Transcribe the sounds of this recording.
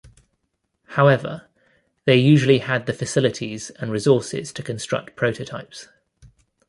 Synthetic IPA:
haʊɛvə̰ | ðeɪjʉːʒəliəd̪̚ðəfəsɪlɪtʰiz̥ə̃nɹɪzɔˑsɪ̰z̥tʰəkʰə̃nstɹ̥ʌ̰k̚tpʰɹ̥əʊtʰətʰaɪps

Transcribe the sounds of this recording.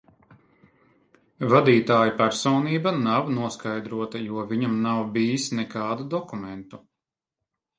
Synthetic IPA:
vad̪iːt̪aːjupæɾsɔːniːbanawnuɔskajd̪ɾuɔt̪ajuɔviɲamnawbiːisnɛkaːd̪ud̪ɔkumɛnt̪u

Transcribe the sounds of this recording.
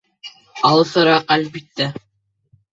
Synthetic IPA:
ɑlˠɤsɤɾɑqælʲbit̪ːæ

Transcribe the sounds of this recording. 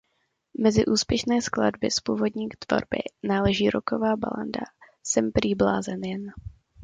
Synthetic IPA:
mɛzɪʔuːspjɛʃnɛːskla̰dbɪspuːvo̞dɲiːt̪vo̞̰ɾbɪ̰naːlɛʒiːɾoko̞vaːba̰la̰nda̰ | sɛmpɾiːbla̰ːzɛnjɛn

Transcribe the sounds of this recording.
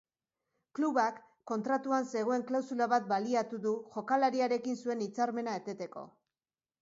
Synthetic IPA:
kluβakː | o̞nt̪ɾat̪uanse̞ɣ̞o̞e̞ŋklawsulaβat̪̚baliat̪uðuʝo̞kalaɾiaɾe̞kinsue̞nit͡saɾme̞nae̞t̪e̞t̪e̞ko̞̰

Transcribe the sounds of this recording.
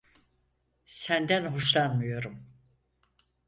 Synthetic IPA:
sænd̪ænɦoʃlˠanmɯjo̞ɾum

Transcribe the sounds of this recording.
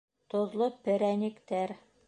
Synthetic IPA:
t̪ŏðlˠopɘ̆ɾænʲɘ̆kt̪æɾ

